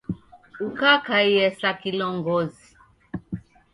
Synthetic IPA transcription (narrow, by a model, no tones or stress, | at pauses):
ukakaiɛsakilɔŋɡɔzi